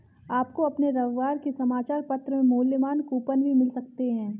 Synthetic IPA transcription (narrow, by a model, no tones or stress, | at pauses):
aːp̚koɐpneɾɐʋːaːɾkesɐmaːt͡ʃaːɾpɐt̪ɾəmẽmʊːləmaːnkuːpənbʱimɪlsɐk̚t̪eɦɛ̃ː